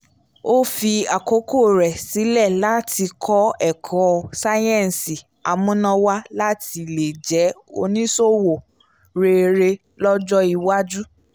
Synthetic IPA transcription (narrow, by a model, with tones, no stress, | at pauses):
o˦fi˧a˨ko˨˦ko˦˨ɾɛ˨si˨˦lɛ˦˨la˨˦ti˧kʰɔ˦ɛ˦˨kʰɔ̃˨˦sa˦jɛ̃˦˨n˨si˨ | a˨mũ˦nã˧wa˦la˦ti˧˨le˨d͡ʒɛ˨˦o̰˧nĩ˦so˦wo˨ | ɾe˧ɾe˧ | lɔ˦d͡ʒɔ˦i˧wa˦d͡ʒu˦